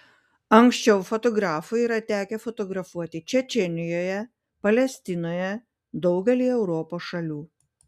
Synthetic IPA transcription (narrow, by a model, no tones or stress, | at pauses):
ɐŋʲksʲt͡ʃʲɛʊfɔt̪ɔɡɾɑːfʊiːɾɐt̪ʲæːkʲɛfɔt̪ɔɡɾɐfuɔt̪ʲɪt͡ʃʲɛt͡ʃʲɛnʲɪjoːjɛ | pɐlʲɛsʲt̪ʲɪnoːjɛ | d̪ɒʊɡʲɛlʲiːɛʊɾɔpoːsʃɐlʲuː